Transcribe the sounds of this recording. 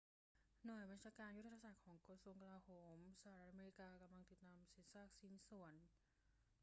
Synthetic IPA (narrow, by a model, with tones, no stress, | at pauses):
nu˨˩jba˧nt͡ɕʰaː˧kaː˧nju˥t̪ʰa˧a˧sa˨˩k̪̚kʰɔː˩˦ŋkɾa˧su˧əŋka˧laː˧hoː˩˦msa˧a˧ɾa˦t̪̚ʔa˧meː˧ɾi˦˥kaː˧ka˧mla˧ŋt̪i˨˩t̪ːaː˧msi˩˦nsaː˥˩k̚si˩˦nsu˩˦ən